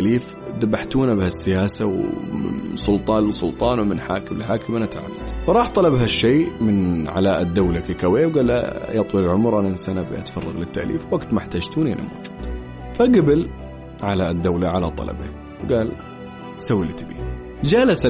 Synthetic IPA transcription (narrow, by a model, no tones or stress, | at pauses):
liːf | d̪abaħt̪uːnabɪhasːɪjaːsawmɪ̰nsˤʊlt̪ˤɑːnɪsʊlt̪ˤɑːnwmɪnħa̰ːkɪmɪlħaːkɪmʔanat̪ʕa̰mːad̪fɾˤɑːħt̪ˤɑlɑbɦaʃːeːmɪnʕa̰laːʔad̪ːawlakikaweːwɡaːlːa̰jɑt̪ˤwilɪlʕʊmɾˤʔanasanabɪ̰ʔa̰t̪fɑrˤːɑɣlɪt̪ːa̰ʔlḭːfwaɡt̪maħt̪ad͡ʒt̪uːnʔɪna̰mo̰ːd͡ʒu̥ːd̪̥ | faɡɪbɪl | ʕalaʔd̪ːawlaʕalat̪ˤɑ̰lɑ̰ba | wɡaːl | sawːɪlt̪bḭː | d͡ʒaːlas